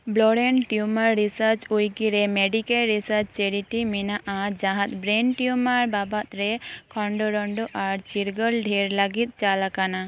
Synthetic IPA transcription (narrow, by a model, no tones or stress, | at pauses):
blɔɽɛnʈjumaɾːisəɾt͡ʃujkiɾɛmeɖikalɾisəɾt͡ʃt͡ʃɛɽiʈiminaʔad͡ʒaɦãt̪̚ˀbɾenʈjumaɾbabat̪ɾɛkʰɔɳɖɔɾɔɳɖɔʔaɾt͡ʃiɾɡɔlɖʱiɾlaɡit̪̚ˀt͡ʃalakana